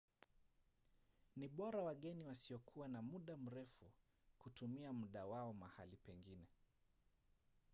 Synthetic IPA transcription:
niɓɔɾawaɠɛniwasiɔkʰuwanamuɗam̩ɾɛfu | kutumiamuɗawaɔmahalipɛŋɡinɛ

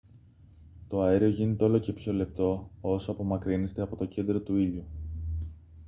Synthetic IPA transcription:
t̪o̞ɐeɾio̞ʝine̞t̪e̞o̞lo̞ce̞pço̞le̞p̚t̪o̞o̞soɐpo̞mɐkɾine̞st̪eɐpo̞t̪oce̞nd̪ɾo̞t̪uiʎu

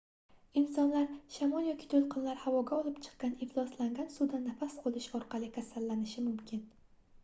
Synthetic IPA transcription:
ɪnsɒnlaɾʃamɒlˠjɒkʲʰɪ̥t̪ʰolˠqʰɨnlaɾhavɒɡʲaɒlˠɪpt͡ʃʰɨ̥qːɑnɪflˠɒslaŋɡʲansud̪anafasqolˠɪʃɒɾqʰɑlˠɪkʲʰasalːanɪʃɪmʊmkʲɪn

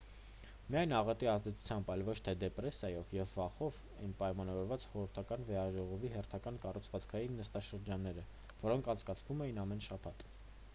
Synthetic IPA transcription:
miɑjnɑʁɑt̪iɑzd̪ɛt͡sʰu̥t͡sʰjɑmbɑjlvɔt͡ʃʰt̪ʰɛd̪ɛprɛsjɑjɔvjɛvːɑχɔv | ɛjnpɑjmɑnɑvɔɾvɑt͡sχɔɾəɾt̪ʰɑkɑnvɛɾɑʒɔʁɔviɦɛrt̪ʰɑkɑnkɑrut͡sʰvɑt͡skʰɑjinːəst̪ɑʃəɾd͡ʒɑnːɛɾə | vɔɾɔŋkʰɑnt͡sʰkɑt͡sʰvumɛjinɑmɛnʃɑpʰɑt̪

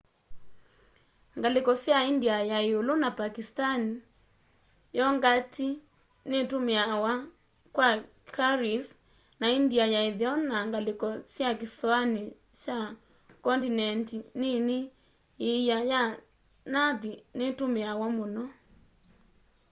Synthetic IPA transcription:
ŋɡalekɔsjaindiajaeolonapakistani | jɔŋɡatʰi | netumeawa | kwa | kaɾis | naindiajaeðiɔnaŋɡalekɔsjak̬isɔani | t͡ʃa | kɔntinɛntinene | ejaja | naðinetomeawamonɔ

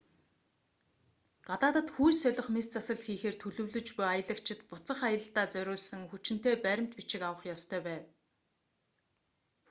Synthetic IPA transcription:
ɢ̥at̪aːt̪ə̆t̪xujsœɮʲɪ̆χmest͡sasə̆ɮxiːxeːrt̪ʰɵɮɵ̆wɮɵ̆t͡ɕpujajə̆ɮə̆kt͡ɕʰɪ̆t̪pʊt͡sə̆χajə̆ɬt̪aːt͡sœɾʲʊːɮsə̆ŋxut͡ɕɪ̆n̥t̪eːpæɾʲɪ̆m̥t̪pit͡ɕɪ̆kawə̆χjɔst̪ʰœːpæːw

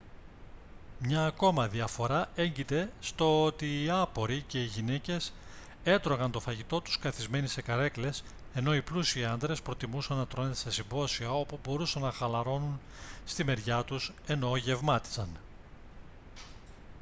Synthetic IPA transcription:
mɲɐːko̞mɐðiɐfo̞ɾɐe̞ɲɟit̪e̞st̪o̞ot̪iːɐpo̞ɾice̞iʝine̞ce̞s | e̞t̪ɾo̞ɣɐnt̪o̞fɐʝit̪o̞t̪u̥skɐθizme̞nise̞kɐɾe̞kle̞s | e̞no̞iplusiɐnd̪ɾe̞spɾo̞t̪imusɐnːɐt̪ɾo̞net̪esɐsimbo̞siɐo̞pubo̞ɾusɐnːɐxɐlɐɾo̞nun | st̪ime̞ɾʝɐt̪us | e̞no̞ʝe̞vmɐt̪i̥sɐn

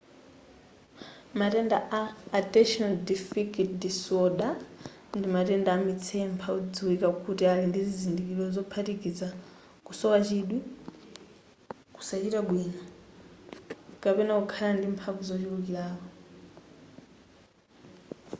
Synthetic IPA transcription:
matɛndaʔaːtɛʃɔnaldifikitdisɔɗa | ndimatɛndaːmit͡sʰɛmpʰaud͡ziwikakutialindizizindikilɔzɔpʰatikid͡za | kusɔwat͡ʃiɗwi | ku̥sat͡ʃitaɡwiːna | kapɛnɛkukʰalandimpʰavuzɔt͡ʃiukilaːkɔ

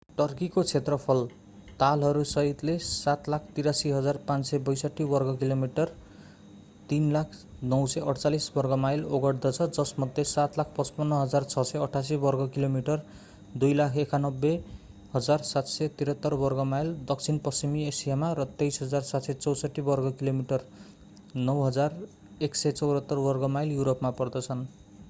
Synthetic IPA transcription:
ʈʌrkikot͡sʰet̪rʌpʰʌl | t̪alɦʌɾusʌɦit̪lesat̪lak̚ʰt̪iɾasiɦʌd͡zarpãnt͡ssebʌjsʌʈːibʌrɡʌkilomiʈʌr | t̪inlakʰnʌwsʌjʔʌɽt͡salisbʌrɡʌmajloɡʌɽd̪ʌt͡sʰʌd͡zʌsmʌd̪ʱːesat̪lakʰpʌt͡spʌnːʌɦʌd͡zart͡sʰʌsʌʌʈʰas̬ibʌrɡʌkilomiʈʌr | d̪ujlakʰekanʌbːe | ɦʌd͡zarsat̪sʌjt̪iɾʌt̪ːʌrbʌrɡʌmajld̪ʌk̚t͡sʰinpʌsimiesijamaɾʌt̪ejsɦʌd͡zarsat̪sʌt͡sʌwsʌʈːibʌrɡʌkilomiʈʌr | nʌwɦʌd͡zar | eksʌjt͡sʌwɾʌt̪ːʌrbʌrɡʌmajljuɾopmapʌrd̪ʌt͡sʰʌn

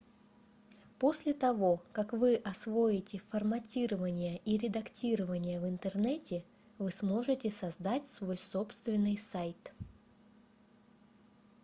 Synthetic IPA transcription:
po̞sʲlʲɪt̪ɐvo̞kakvɨʔɐsvo̞jɪtʲɪfɐrmɐtʲiɾəvənʲɪjəʔiɾʲɪd̪ɐktʲiɾəvənʲɪjəvɨnt̪ərnɛtʲɪ | vɨsmo̞ʐɨtʲɪsɐzd̪atʲsvo̞jso̞pst̪vʲɪnːɨjsajt̪

